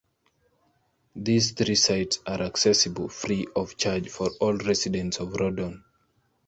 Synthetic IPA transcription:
ðizθɹisaɪtsaɹʔaksɛsɨbəl̩ˠfɹiɔv̥t͡ʃaɹd͡ʒfɔɹɔlˠɹɛsɪdɛ̃ntsɔvɹɔdɔ̃n

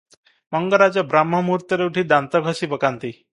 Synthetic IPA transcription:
mʌŋɡəɾad͡zɔbɾamɦʌmuɾt̪əɾeuʈʰid̪ant̪əɡʱəsibəkant̪i

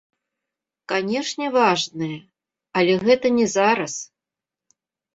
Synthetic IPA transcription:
kanʲɛʂnʲɛvaʐnɨjɛ | ɐlʲɛɣɛt̪ɐnʲɛzaɾɐs

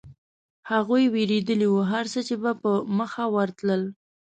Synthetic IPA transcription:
haɣujweɾed̪əliwuɦaɾsət͡ʃebapəməxawəɾt̪ləl

